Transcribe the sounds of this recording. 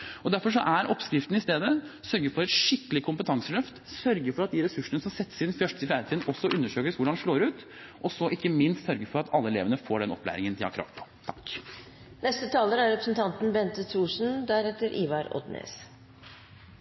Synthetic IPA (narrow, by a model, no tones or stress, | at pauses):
ɔd̪æɾfɔʂɔʔæɾʔɔpskɾɪft̪ən̩ɪst̪eːd̪əsœɾɡəfɔɾɛt̪ʂɪkːəlɪkʰʊmpət̪ʰɑŋsəlœft̪sœɾɡəfɔɾɑt̪̚d̪ɪɾɛsʉʂːənəsɔmsɛt̪ːə̥sɪnfjœʂʈəsɪfjæːɾət̪iːd̪n̩ʔɔsːɔʔʉnːəʂøːkəsʋʊɖɑnd̪ɛʂloːɾʉːt̪ | ʔɔsɔʔɪkːəmɪnst̪sœɾɡəfɔɾɑt̪ʰɑlːəɛlḛːʋənəfoːɖɛnɔplæ̰ːɾɪŋənt̪ʰɪlɑ̰kʰɾɑ̰ːt̪pʰɔ̥t̪ʰɑ̥k | nɛst̪ət̪ʰɑːləɾæɾɾɛpɾəsnt̪ʰɑnt̪nbɛnt̪ət̪ʰɾuːʂn̩d̪æɾɛt̪ːəɾʔiːʋɑɾɔ̰d̪nḛːs